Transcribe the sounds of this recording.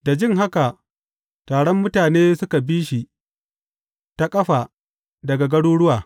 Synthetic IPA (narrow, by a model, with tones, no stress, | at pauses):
da˨d͡ʒɪ˦ŋɦa˦ka˨ʔ | taː˨ɽɔ˦mːʊ˦taː˨neː˦sʊ˦ka˨biː˦ʃi˨ | ta˦kʼɐ˦ɸa˨ | dɐ˨ɡa˨ɡɐ˦ɽuː˦ɽʊ˦waː˨